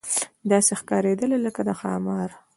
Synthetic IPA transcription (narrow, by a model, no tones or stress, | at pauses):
d̪ɑsexkɑɾed̪əleləkad̪əxɑ̰mɑɾ